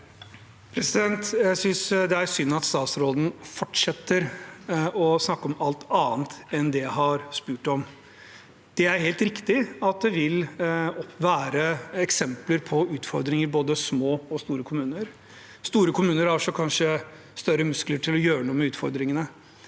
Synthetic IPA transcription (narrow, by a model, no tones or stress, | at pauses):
pʰɾɛsɪd̪ɛnt̪jæɪsʏnsd̪ɛæɾsʏnːɑt̪st̪ɑːt̪sɾoːd̪n̩fɔʈʂɛt̪ːəɾ | ɔsnɑkːɔmɑlt̪ʰɑːnt̪ɛnd̪ɛɦɑɾspʉːʈɔm | d̪̥ɛæɾheːlt̪ɾɪkt̪ɪɑt̪̚d̪ɛʋɪlɔpʋæːɾəɛksɛmpləɾpʰɔʉːt̪fɔɾd̪ɾɪŋəɾboːd̪əsmoːɔst̪uːɾəkʰʊmʉːnəɾ | st̪uːɾəkʰʊmʉːnəɾhɑʂɔkʰɑnʂə | st̪œɾːəmʉskləʈʰɪlɔjøːɾəɳuːəmɛʉːt̪fɔɾd̪ɾɪŋənə